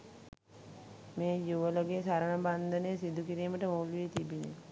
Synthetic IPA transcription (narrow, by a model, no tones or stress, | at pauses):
meːjuʋəloɡesaɾəɳəband̪ənesid̪ukiɾiːməʈəmoːluʋet̪ibinḛ